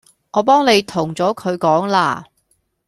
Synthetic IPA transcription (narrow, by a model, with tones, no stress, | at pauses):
ŋɔː˨˧pɔː˥ŋne˨˧jt̪ʰʊ˨˩ŋt͡sɔː˨˥kʰɵ˨˧ɥkɔː˨˥ŋla̰ː˧